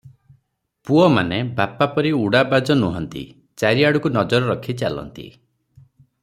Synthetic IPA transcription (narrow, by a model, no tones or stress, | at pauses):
puɔma̰nebapapɔɾiuɽabad͡ʒɔnuɦɔnt̪ḭ | t͡ʃaɾiaɽukunɔd͡ʒɔɾɔɾɔkʰit͡ʃalɔ̰nt̪ḭ